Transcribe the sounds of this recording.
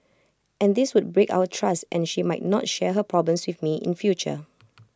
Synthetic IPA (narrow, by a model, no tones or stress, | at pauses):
ʔɛ̃nd̪ɪswʊd̚bɹeka̰ʊwətʰɹastʔɛ̰̃nʃimaɪt̚nɔtʃɛɦəpʰɹɔblə̃mswɪθmiʔɪ̰̃nfjut͡ʃə̰